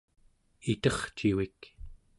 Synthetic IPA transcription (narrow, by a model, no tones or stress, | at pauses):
it̪ʌχt͡ʃiwik